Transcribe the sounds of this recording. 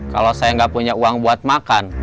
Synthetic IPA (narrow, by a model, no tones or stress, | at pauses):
ka̰losajaŋɡapuɲauaŋbuat̪̚makan